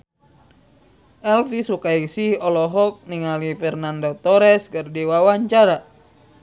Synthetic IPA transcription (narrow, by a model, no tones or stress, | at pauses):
ʔɛlfisukaisiɔlɔɦɔk̚niŋalifɛrnandot̪ɔɾɛskərdiwawaɲt͡ʃaɾa